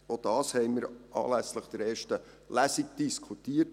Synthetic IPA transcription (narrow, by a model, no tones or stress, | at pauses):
od̥ɑːshɛɪmiɾʔɑ̰ːlæsləχd̥əɾeːɾʃtə | læsik̚d̥iskʰutiːət